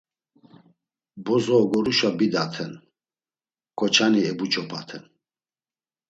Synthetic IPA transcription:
bɔzɔːɡɔɾuʃabid̪at̪ʰɛn | kʰʼɔt͡ʃʰaniɛbut͡ʃʰʼɔpʰa̰t̪ʰɛn

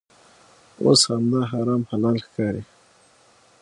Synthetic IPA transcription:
o̰shamd̪aɦaɾɑːmhalɑlxkɑɾi

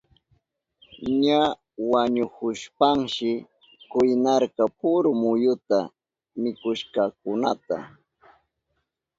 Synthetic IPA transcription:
ɲa | waɲʊhʊʃpaŋʃɪ | kʊjnɑɾkɑpʊɾʊmʊjʊt̪a | mɪkʊʃkɑkʊnat̪a̰

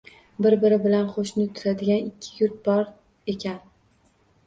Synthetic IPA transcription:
bɪɾbɪɾɪbɪlanχoʃnɪt̪ʰʊ̥t̪ʰad̪ɪɡʲanɪkʲʰːɪ̥jʊɾt̪̚bɒɾ | e̞kʲʰan

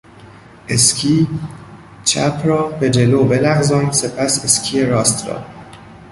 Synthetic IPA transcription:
ʔe̞skʰiː | t͡ʃʰæ̰pʰɾɒːbe̞d͡ʒe̞loːbe̞læɣzɒːnse̞pʰæse̞scʰijeɾɒːst̪ɾɒ̰ː

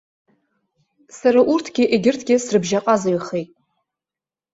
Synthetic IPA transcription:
saɾaʔurtʰɡʲɪʔeɡʲɪrtʰɡʲɪsrɨbʒaqʼazaɥiχejtʼ

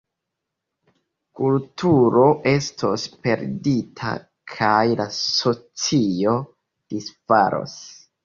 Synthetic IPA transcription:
kultʰuɾo̞ʔe̞stʰo̞̰spe̞ɾditʰa̰ | kʰajlaso̞t͡sio̞ | d̥ispa̰ɾo̞̰s

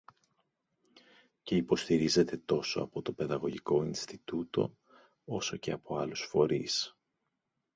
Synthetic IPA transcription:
ce̞ipo̞st̪iɾize̞t̪e̞t̪o̞so̞ɐpo̞t̪o̞pe̞ðɐɣo̞ʝiko̞inst̪it̪ut̪o̞̰ | o̞so̞ce̞ɐpo̞ɐlusfo̞ɾis

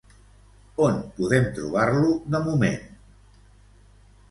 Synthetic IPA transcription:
onpuðɛmt̪ɾṵβ̞aɾluðəmumḛn

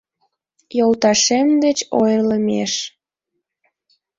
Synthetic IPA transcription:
jolt̪ɑʃemd̪et͡ɕojləmeʃ

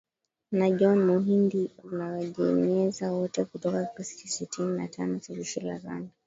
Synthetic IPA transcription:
naʄɔnmuɦindiunawaʄɛɲɛzawɔtɛkutɔkakisi̥tisɛtinina̰tʰanɔsɛliʃila̰ɾa̰nda

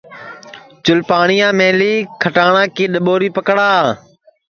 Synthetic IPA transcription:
t͡ʃʊlpaːɳɪjãːmẽːliːkʰəʈaːɳãːkeːɗəɓoːɾiːpəkɽaː

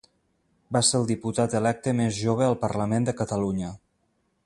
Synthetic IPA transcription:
baselˠd̪iput̪at̪əlɛk̚t̪əmezʒoβ̞əəlˠpəɾləmend̪əkət̪əluɲə

